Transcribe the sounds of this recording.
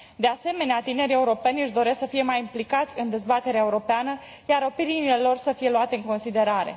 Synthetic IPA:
d̪e̞ase̞me̞neat̪ine̞ɾie̞uɾo̞pe̞nʲɨʃd̪o̞ɾe̞sksəfije̞majimplikat̪sʲɨnd̪e̞zbat̪e̞ɾeae̞uɾo̞peanə | jaɾo̞piɾinile̞lo̞rsəfije̞luat̪eɨŋko̞nsid̪e̞ɾaɾe̞̰

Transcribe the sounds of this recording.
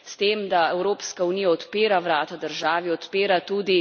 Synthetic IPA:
st̪eːmd̪aɛwɾoːpskaunijaɔt̪peːɾaʋɾaːt̪ad̪əɾʒaːʋiɔt̪peːɾat̪uːd̪i

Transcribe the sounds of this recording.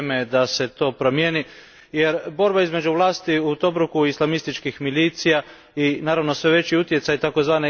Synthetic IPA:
med̪ase̞t̪o̞ːpɾo̞mjeːni | je̞ɾbo̞ɾbaizme̞d͡ʒuʋlˠaːst̪iut̪o̞bɾukuislˠamist̪it͡ʃkixmiliːt̪sija | inaːɾaʋno̞sʋe̞ʋe̞t͡ɕiut̪je̞t̪sajt̪ako̞zʋaːne

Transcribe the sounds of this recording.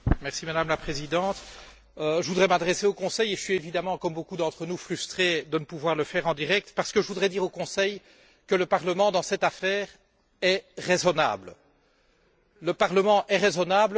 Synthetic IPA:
mɛʁsimad̪amlapχezid̪ɑ̃t̪ | əʒəvud̪ʁɛmad̪ʁɛseokɔ̃sɛjeʒəsɥievid̪amɑ̃kɔmbokud̪ɑ̃t̪χənufχyst̪χed̪ənəpuvwaʁləfɛʁɑ̃d̪iʁɛk̚t̪paʁsə̥kəʒəvud̪ʁɛd̪iʁokɔ̃sɛj | kələpaʁləmɑ̃d̪ɑ̃sɛt̪afɛːʁ | ɛʁezɔna̰ːbl | ləpaʁləmɑ̃ʔɛʁezɔnabl

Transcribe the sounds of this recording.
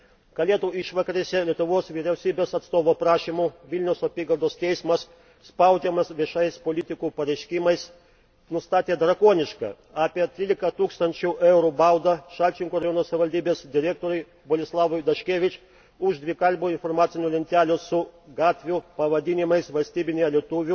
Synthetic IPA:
kɐlʲeːt̪uːɪʃʋɐkɐɾʲesʲɛlʲiɛt̪ʊʋoːsʋʲɪɾʲɛʊsʲiːbʲeːsɐt̪st̪oːʋoːpɾɑːʃʲimuʋʲɪlʲnʲɛʊsɔpʲiːɡɐlˠd̪oːst̪ʲɛɪsmɐs | spɐʊd͡ʒʲɛmɐsʋʲiɛʃɐɪspoːlʲɪt̪ʲɪkuːpɐɾʲɛɪʃʲkʲɪmɐɪs | nʊst̪ɑːt̪ʲeːd̪ɾɐkuɔnʲɪʃkɑ̰ | ɑːpʲiɛt̪ʲɾʲiːlʲɪkɐt̪uːkst̪ɐnʲt͡ʃʲuʔɛʊɾuːbɐʊd̪ɐʃɑlʲt͡ʃʲɪŋkuːɾɐjoːnoːsɐʋʲɪʋɐlʲd̪ʲiːbʲeːsd̪ʲɪɾʲæːk̚t̪oːɾʲʊɪ | boːlʲɪslˠɑːʋɔɪd̪ɐʃʲkʲeːʋʲɪt͡ʃʲ | ʊʒd̪ʲʋʲɪkɐlʲbuːɪnfoɾmɑːt̪sʲɪnʲulʲɪnʲt̪ʲæːlʲʊsʊɡɑːt̪ʲʋʲʊpɐʋɐd̪ʲinʲɪmɐɪsʋɐlʲsʲt̪ʲiːbʲɪnʲejɛlʲiɛt̪ʊʋʲʊ

